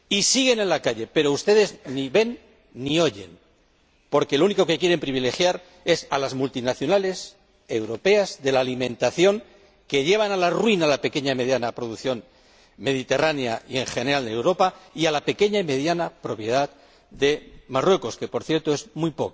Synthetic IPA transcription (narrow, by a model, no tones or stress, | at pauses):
isiɣ̞e̞nẽ̞nlakaʎe̞pe̞ɾo̞ust̪e̞ðe̞zniβe̞nː | io̞ʝe̞̰n | po̞ɾke̞louniko̞ke̞kje̞ɾe̞mpɾiβ̞ile̞xjaɾ | e̞sa̰lazmult̪inaθjonale̞s | e̞wɾo̞pe̞azðe̞laːlimẽ̞nt̪aθjo̞ŋ | ke̞ʎe̞β̞analarwinalape̞ke̞ɲaime̞ðjanapɾo̞ðukθjo̞n | me̞ðit̪e̞ranjaie̞ŋxe̞neɾald̪ewɾo̞paialape̞ke̞ɲaime̞ðjanapɾo̞pje̞ð̞að | d̪e̞marwe̞ko̞ske̞po̞ɾθjeɾt̪oe̞zmujpo̞̰k